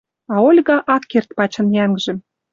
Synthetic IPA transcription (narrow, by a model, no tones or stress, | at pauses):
ɑolʲɣɑʔɑkːert̪pɑt͡ɕɤ̆njæŋʒĕ